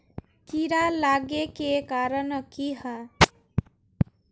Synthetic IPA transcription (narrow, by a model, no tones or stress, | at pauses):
kiɾalaɡekekaɾənəkiɦa